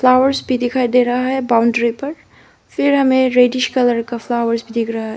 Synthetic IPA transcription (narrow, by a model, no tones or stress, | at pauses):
flaːwəɾzbʱid̪ɪkʰaːid̪eːɾɐɦaɦɛbaʊ̃ɳɖɾipɐɾ | fɪɾɦɐmẽɾeːɖɪʃkɐləɾkaflaːwəɾsbʱid̪ɪkʰɾɐɦaɦɛ